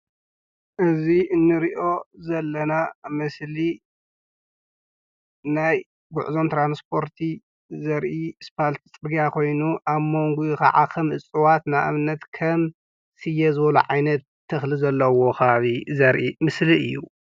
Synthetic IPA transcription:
ʔɨziʔɨnːɨɾiʔo̞zɐlːɐnamɨsli | naj | ɡʊʕzo̞nt̪ʰɾanspʰo̞ɾt̪ʰi | zɐɾʔispʰalt̪ʰt͡sʼɨɡijakʰo̞jnuʔaβmo̞ŋɡujɪkɐ̰ʕa̰kʰɐmʔɨt͡sʼɨwat̪naʔɨ̰βnɐt̪kʰɐm | sɨjːɛzɨβɐluʕajnɐt̪ʰːɐxlizɐlːɐwo̞xʰɐaβizɐɾʔimɨsliɨ̰jːu

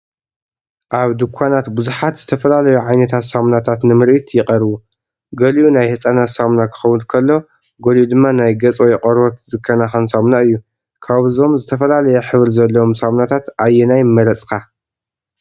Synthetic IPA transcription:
ʔaβd̪ɨkʷʰanat̪bɨzuħat̪z̥ɨt̪ʰɐfɐlalɐjuʕajnɐt̪ʰat̪samnat̪ʰat̪nɨmɨɾʔit̪jɪqʼɐɾβu | ɡɐliʔunajhɨt͡sʼanasamnakʰɨ̥xɐwunkʰɐlːo̞ | ɡolud̪ɨmːanajɡɐt͡sʼojɛqʼɐɾot̪zɨkʰːɐnaxɐnsamnaɨjːu | kʰaβɨzo̞mzɨt̪ʰɐfɐlalɐjɛħɨβɾzɐlːɐwomsamnat̪ʰat̪ajːɛnajmːɐɾɐt͡sʼkʰa

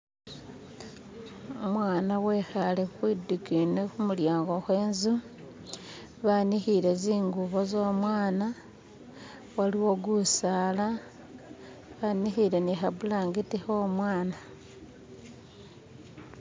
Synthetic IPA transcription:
omwaːnawexalexuxwidukinexumuljaːŋɡo̞xwe̞ːnzu | βanixiɾe̞ziːŋɡuβo̞zoːmwaːna | waliwo̞ɡusala | βanixiɾe̞nixaβulaːŋɡitixo̞ːmwaːna

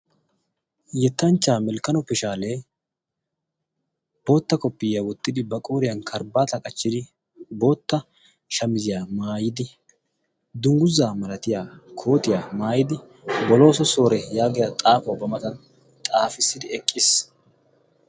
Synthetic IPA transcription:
jɛt̪ːɐnt͡ʃːaːmɛlkɐnɔpːɛʃaːle̞ː | b̥o̞ːt̪ːɐkɔpːɪjawɔt̪ːɪd̪ɪbɐkʼo̞ːɾɪjɐnkʰɐɾbaːt̪ɐkʼɐt͡ʃːɪd̪ɪ | bo̞ːt̪ːɐ | ʃɐmɪzɪjaːmaːjɪd̪ɪ | d̪ʊŋɡʊzːaːmɐlɐt̪ɪjaːkʰo̞ːt̪ɪjaːmaːjɪd̪ɪ | bɔlo̞ːsɔso̞ːɾɛjaːɡɪjat̪ʼaːfɔwbɐmɐt̪ɐn | t̪ʼaːfɪsːɪd̪ɪɛkʼːɪs

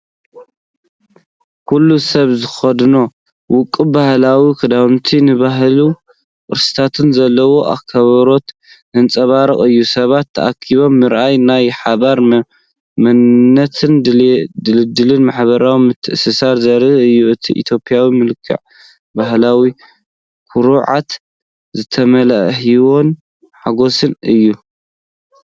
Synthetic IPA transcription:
kʰulːusɐβzɨxɐd̪no̞ | wʊkʼːɨbahlawikʰɐd̪amt̪ʰinɨβaɦlu | kʼɨɾsɨ̥t̪ʰat̪ʰɨnzɐlːɐwo̞ʔa̰kʰːɐβɐɾo̞t̪ | nɨnt͡sʼɐβaɾɐχʼɨjːusɐβat̪ʰːɐ̰ʔakʰːiβo̞mːɨɾʔajnajħaβaɾ | mɐnːɐt̪ʰɨnd̪ɨlɨd̪ɨlɨnmaħβɐɾawimɨt̪ʰːɨʔɨsɨsaɾzɐɾɨɨjːuɨt̪ʰḭʔḭt̪ʰjo̞pʼjawimɨlkʰːɨ̰ʕ | baɦlawi | kʰuɾuʕa̰t̪ | zɨt̪ʰɐmɐlaʔhiwo̞n | ħaɡo̞sɨnɨjːu

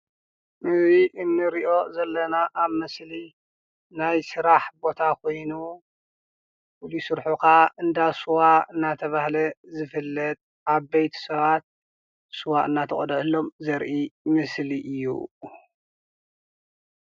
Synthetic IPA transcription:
mɨziʔɨnːɨɾiʔo̞zɐlːɐnaʔaβmɨsli | najsɨɾaħbo̞t̪ʰakʰo̞jnu | wulisɨɾħukʰaɨnd̪asuwaɨnːat̪ʰɐβahlɐzɨfɨlːɐt̪ʼ | ʔaβbejt̪ʰu̥sɐβat̪̚ | suwaʔɨnːat̪ʰɐχʼd̪ʕɨlːo̞mzɐɾʔimɨsliʔɨjːṵ

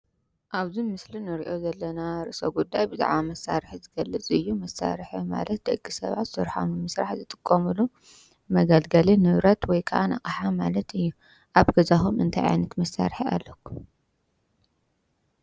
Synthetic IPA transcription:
ʔaβzimɨslinɨɾiʔo̞zɐlːɐnaɾɨʔsoɡud̪ːajbɨza̰ʕβamɐsːaɾħizɨɡɐlːɨt͡sʼɨjːumɐsːa̰ɾħima̰lɐt̪̚d̪ɐɡʼːisɐ̰βa̰t̪sɨɾħa̰mɨmɨsɾaħzɨt̪ʼɨ̥kʼːɐmɨlu | mɐɡalɡɐlinɨβɾɐt̪wɔjkʰɐʔana̰kʼɐħamalɐt̪ɨjːu | ʔaβɡ̥ɐzaxumɨnt̪ʰajʕa̰jnɐt̪mɐsːa̰ɾħia̰lːoku

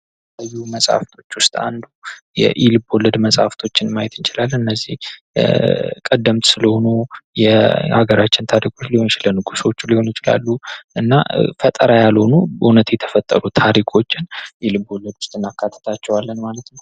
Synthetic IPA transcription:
əjːuməsʼha̰ft̪ʰo̞t͡ʃːwʊst̪ʼa̰nd̪ujɛ̰ʔilɨbolːəd̪məsʼa̰ft̪ʰo̞t͡ʃːɪnmajɛt̪ʰɨnt͡ʃɪlalːɨnːəzːih | kʼəd̪ːəmt̪sɨləho̞nujɛa̰ɡəɾat͡ʃːɪnt̪ʰaɾikʰo̞t͡ʃːliho̞njɪt͡ʃɪlənɨɡuswot͡ʃːliho̞njɪt͡ʃɪla̰lːuʔɨnːa̰fət̪ʼəɾajalho̞nubʔunət̪jɛt̪ʰə̥fət̪ʼːə̰ɾut̪ʰaɾikʰo̞t͡ʃːɪnʔilɨboləd̪wʊ̥st̪ʼɨnakʰːat̪ʰːə̥t̪ʰat͡ʃːɛwalːənmalət̪nəw

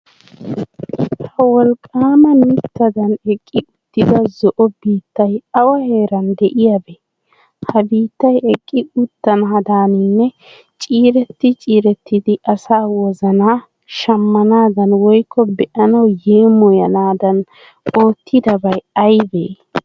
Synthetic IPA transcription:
hɐwɔlkʼːaːmɐnɪt̪ːɐd̪ɐnɛkʼːɪʊd̪̥ːɪd̪ɐzɔʔɔbiːt̪ːɐjɐwɐheːɾɐnd̪ɛʔɪjabɛ | hɐbiːt̪ːɐjɛkʼːɪʊt̪ːɐnaːd̪aːnɪnːɛ | t͡ʃʼiːɾɛt̪ːɪt͡ʃʼiːɾɛt̪ːɪd̪ɪʔɐsaːwɔzɐnaː | ʃɐmːɐnaːd̪ɐnwɔjkʰːɔbɛʔɐnɐwjeːmɔjɐnaːd̪ɐn | o̞ːt̪ʰːɪd̪ɐbɐjɐjbeː

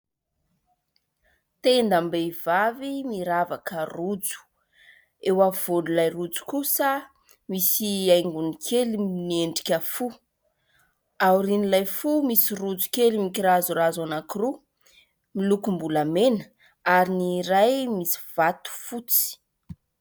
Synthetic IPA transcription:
t̪end̪ambev̥avimiɾavakərud͡zu̥ | ewav̥onulajrud͡zu̥kusə | misiajŋɡunikʰelimnieɳɖ͡ʐi̥kʲəfu | awuɾinilajfumisirud͡zu̥kelimikiɾazurazanakiru | milukumbulamenə̥ | aɾiniɾajmisi̥v̥at̪u̥fut͡si̥

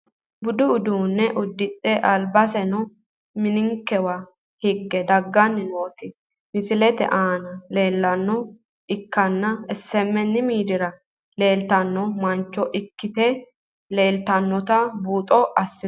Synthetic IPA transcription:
bʊd̪ʊʊd̪uːnːɛʔʊd̪ːɪt̪ʼːɛʔɐlbɐsɛnɔ | mɪnɪŋkːɛwɐ | hɪɡːɛd̪ɐɡːɐnːɪnoːt̪ɪ | mɪsɪlɛt̪ɛ̰ʔaːnɐle̞ːlːɐnːɔ | ɪkːɐnːɐɛsːɛmːɛnːɪmiːd̪ɪɾɐ | le̞ːlt̪ɐnːɔmɐnt͡ʃːɔʔɪkːɪt̪e | le̞ːlt̪ɐnːɔt̪ɐbuːt̪ʼɔʔɐsːɪ

